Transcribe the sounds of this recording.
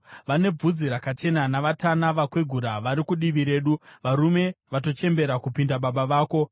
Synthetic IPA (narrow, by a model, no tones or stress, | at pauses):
ʋane̞b͡vud͡ziɾakat͡ʃe̞nanaʋatanaʋakweɡʱuɾaʋaɾikuɗiʋiɾe̞ːɗuʋaɾume̞ʋato̞t͡ʃe̞mbe̞ɾakupindaɓaɓaʋaːko̞